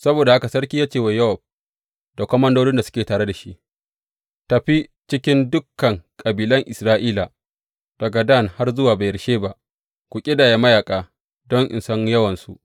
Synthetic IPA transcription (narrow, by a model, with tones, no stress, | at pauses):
sɐ˦boː˨da˨ha˦ka˨sɐ˦ɽkʲiː˦jaː˦t͡ʃeː˨we˨jɐ˦hɔ˨b̚ | da˨kʷɔ˦mɐ˦ndoː˦ɽɪ˦nda˨sʊ̥˦kʲeː˨taː˨ɽe˦da˨ʃi˦ʔ | ta˨ɸi˦t͡ʃɪ˦kʲɪ˦ndʊ˦kːɐ˨ŋkʼɐ˨biː˨lɐ˦ŋʔɪ˨sɾaː˦ʔiː˦la˨ | d̥ɐ˨ɡa˨da˦˨nha˦rzʊ˦waː˨ba˨jɐ˨ɾʃeː˦ba˦ʔ | kʷu˨kʲʼɪ˦daː˨ja˨mɐ˦jaː˨kʼaː˨ | dɔ˦ŋʔɪ̰˨nsɐ˦ŋjɐ˦wɐ˨nsṵ˦ʔ